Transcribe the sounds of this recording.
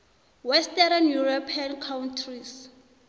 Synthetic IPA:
wɛstɛɾanjuropʰiankʰawntʰris

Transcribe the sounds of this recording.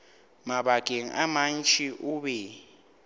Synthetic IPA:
maɓaɡ̥ʱʼeŋ̩ʔaman̩t͡ʃʼʰiʔuɓɛ

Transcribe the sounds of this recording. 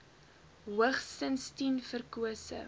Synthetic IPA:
ɦwəχsənstinfərkuəsə̰

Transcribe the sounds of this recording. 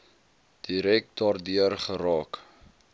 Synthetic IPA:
d̥iɾɛk̚dɑːrdyərχəɾɑːk

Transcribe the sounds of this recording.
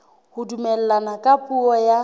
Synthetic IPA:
hʊdumɛl̩lanakʼapʼuɔja

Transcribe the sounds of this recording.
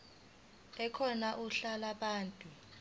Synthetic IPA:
ɛkʰɔnaʔuɬalaɓaːntʼu

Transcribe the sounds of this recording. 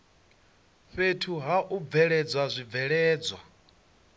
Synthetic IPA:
ɸetʰuɦaʔuvɛɺɛd͡zwazʷib̪vɛɺɛːd͡zwa̰

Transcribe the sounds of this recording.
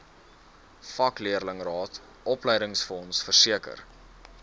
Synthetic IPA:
fɐkliərləŋrɑːt | ʔɔplɛjdəŋsfɔnsfərsiəkə̰r

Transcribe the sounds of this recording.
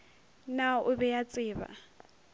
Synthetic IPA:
naʊbɛjat͡sʼɪːba̰

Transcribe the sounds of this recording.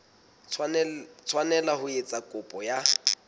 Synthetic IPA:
t͡sʰwanɛlahʊet͡sʼakʼʊpʼɔja

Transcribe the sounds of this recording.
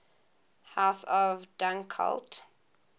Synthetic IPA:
haʊsɔvdãŋkʰa̰lt

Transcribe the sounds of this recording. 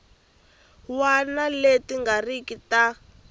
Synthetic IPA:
wanaletiŋɡarikita

